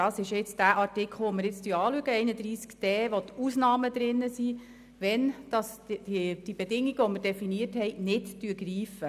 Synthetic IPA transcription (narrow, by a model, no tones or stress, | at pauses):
dɑːsɪʃɪt͡sd̥æːʔɑrtɪkʰl̩ˠʋoməɾjɪt͡styːɑːlyəɡəɛɪnədɾiːskd̥ɛːʋɔt̪uːsnɑːməd̪ɾɪnːəsi | ʋɛnd̥ɑsid̥ibedɪŋːiɡəʋɔməɾd̥ɛfiniəthɛɪnɪdtyəɡɾiːfə